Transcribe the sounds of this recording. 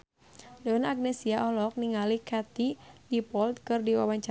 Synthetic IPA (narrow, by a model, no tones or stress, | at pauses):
dɔnaɡ̚nɛsiaʔɔlɔk̚niŋalikat̪idipɔlt̪̚kɨrdiwa̰waɲt͡ʃa